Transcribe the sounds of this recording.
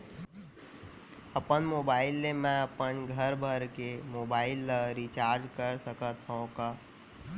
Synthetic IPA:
əpənmoːbaːɪlːemɛ̃əpənɡʱəɾbʱəɾkemoːbaːɪlːəɾit͡ʃaːɾd͡ʒkəɾsəkət̪õkaː

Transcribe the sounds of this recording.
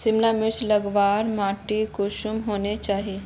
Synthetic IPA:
sɪmlamɪslɐɡʋaːɾmaːʈikoʃʊmɦoːnet͡ʃaːɦie

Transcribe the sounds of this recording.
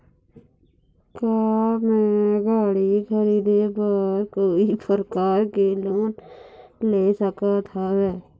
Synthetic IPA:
kaːmɛ̃ɡaːɽikʰəɾiːd̪epəɾkoːipəɾəkaːɾkeloːn | leːsəkat̪ʰaɦɛː

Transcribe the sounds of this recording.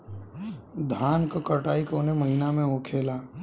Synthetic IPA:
d̪ʱaːnkokəɾʈaːikoːnemɐɦinamẽoːkʰeːlaː

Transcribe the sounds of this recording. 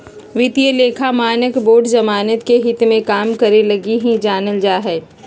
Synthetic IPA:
ʋɪt̪iəleːkʰamaːnəkboːɖzɐmaːnət̪keɦɪt̪mẽkaːmkɐɾelɐɡiɦĩd͡ʒaːnəld͡ʒaːɦɛː

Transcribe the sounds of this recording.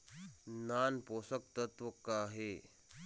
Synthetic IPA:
nanposək̚t̪ət̪ʋəkaɦe

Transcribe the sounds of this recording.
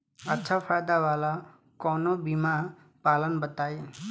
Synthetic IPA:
ətːʃʰafʰaːjd̪aʋaːla | kɔːnobima | paːlənbət̪aːje

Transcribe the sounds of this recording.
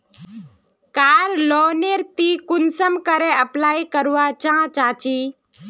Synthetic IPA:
kaːɾlɔːneɾt̪ikʊnsəmkəɾẽəplaːikəɾuʋat͡ʃãːt͡ʃaːt͡ʃiː

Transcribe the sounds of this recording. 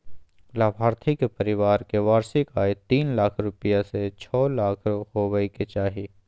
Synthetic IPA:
laːbʱaːɾt̪ʰɪkepəɾɪʋaːɾkeʋaːɾsikaːet̪iːnlaːkʰɾʊpɪjaset͡ʃʰɔːlaːkʰohoʋəiket͡ʃaːɦi

